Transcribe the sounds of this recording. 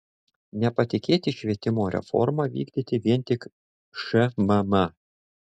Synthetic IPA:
nʲɛpɐt̪ʲɪkʲeːt̪ʲɪʃʲʋʲiɛt̪ʲɪmoːɾʲɛ̰fɔ̰ɾmɑːʋʲḭːɡd̪ʲit̪ʲɪʋʲiɛnʲˑt̪ʲɪk | ʃɛmɐmɐ

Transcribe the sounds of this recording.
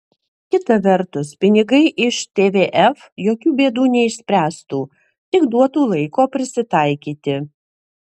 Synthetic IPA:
kʲɪt̪ɐʋʲɛɾt̪ʊspʲɪnʲɪɡɐɪʔɪʃt̪ʲeːʋʲeːʔɛf | joːkʲuːbʲeːd̪uːnʲɛɪʃsʲpʲɾʲæːst̪uː | t̪ʲɪkd̪uɔt̪uːlˠɐɪkoːpʲɾʲɪsʲɪt̪ɐɪkʲiːt̪ʲɪ

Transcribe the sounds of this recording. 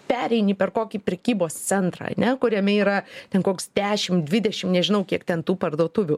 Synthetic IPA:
pʲæːɾʲɛɪnʲipʲɛrkoːkʲipʲɾʲɛkʲiːboːst͡ssʲɛnt̪ɾɐ̰ɐ̰nʲɛkʊɾʲɛmʲɛiːɾɐt̪ʲɛnkoːksd̪ʲæːʃʲɪmd̪ʲʋʲɪd̪ʲɛʃʲɪmnʲɛʒʲɪnɐʊkʲiɛkt̪ʲɛnt̪uːpɐrd̪uɔt̪ʊʋʲʊ

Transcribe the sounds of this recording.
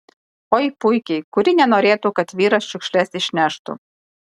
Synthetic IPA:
oːiːpʊɪkʲɛɪkʊɾʲɪnʲɛnoːɾʲeːt̪uːkɐt̪ʋʲiːɾɐsʃʲʊkʃʲlʲɛsɪʃʲnʲæʃt̪ʊ̰

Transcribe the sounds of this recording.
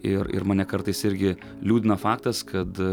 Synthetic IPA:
ɪɾɪ̰ɾmɐːnʲɛkɐɾt̪ɐɪsɪɾʲɡʲɪ | lʲuːd̪ʲɪnɐfɑːk̚t̪ɐskʰɐt̪

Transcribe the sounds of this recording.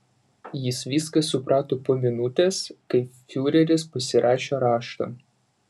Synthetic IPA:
jɪsʋʲiːskɐsːʊpɾʔɑːt̪oːpoːmʲɪnʊt̪ʲɛskɐɪfʲuːɾʲɛɾʲɪspɐsʲɪɾʔɑːʃʲoːɾɑːʃt̪o̰

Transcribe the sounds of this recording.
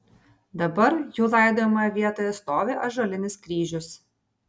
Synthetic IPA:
d̪ɐbɐɾjuːlˠɐɪd̪oːmɐjɛʋʲiɛt̪oːjɛst̪oːʋʲɪʔɐʒolʲɪnʲɪskɾʲiːʒʲʊs

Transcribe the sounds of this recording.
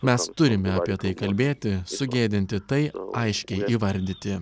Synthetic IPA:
mʲɛst̪ʊɾʲɪmʲɛɐpʲiɛt̪ɐɪkɐlʲbʲeːt̪ʲɪsʊɡʲeːd̪ʲɪnʲt̪ʲɪt̪ɐɪɐɪʃʲkʲɛɪʔiːʋɐɾʲd̪ʲit̪ʲɪ

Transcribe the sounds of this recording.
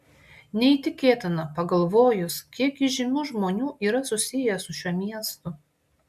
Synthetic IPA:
nʲɛiːˑt̪ʲɪkʲeːt̪ʲɪnɐpɐɡɐlˠʋoːjʊskʲiɛkʲiʒʲɪnʲuːʒmoːnʲuːʔiːɾɐsʊsʲɪjɛsʊʃʲuɔmʲiɛst̪ʊ

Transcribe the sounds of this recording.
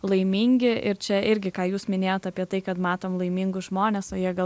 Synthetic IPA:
lˠɐɪmʲiŋʲɡʲɪɪɾt͡ʃʲɛɪɾʲɡʲɪkɑːjuːsmʲɪnʲeːjoːt̪ɑːpʲiɛt̪ɐɪkɐt̪mɑːt̪oːmlˠɐɪmʲiŋɡʊsʒmoːnʲeːsoːjiɛɡɐ

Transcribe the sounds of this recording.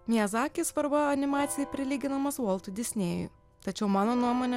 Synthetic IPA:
mʲiɛzɑːkʲisʋɐɾbɐɐnʲɪmɑːt̪sʲɪjɛpʲɾʲɪlʲiːɡʲɪnɐmɐsuɔlˠt̪ʊd̪ʲɪsʲnʲeːjʊ̰j | t̪ɐt͡ʃʲɛʊmɑːnoːnuɔmoːnʲɛ

